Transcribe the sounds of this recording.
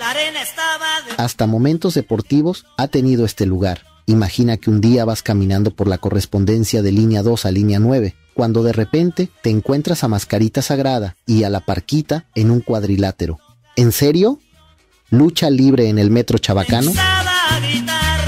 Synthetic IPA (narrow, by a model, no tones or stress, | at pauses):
ast̪amo̞mẽ̞nt̪o̞zðe̞po̞ɾt̪iβo̞sat̪e̞nið̞o̞est̪e̞luɣ̞aɾ | imaxinakeund̪iaβaskamĩnãnd̪o̞po̞ɾlako̞re̞spo̞nd̪e̞nsjað̞e̞linjaðo̞salinjanwe̞β̞e̞ | kwand̪o̞ð̞e̞re̞pe̞nt̪e̞t̪e̞ːŋkwe̞nt̪ɾasamaskaɾit̪asaɣɾað̞aialapaɾkit̪aenũŋkwaðɾilat̪e̞ɾo̞ | e̞nse̞ɾjo̞ | lut͡ʃaliβɾe̞ːne̞lme̞t̪ɾo̞t͡ʃaβakano̞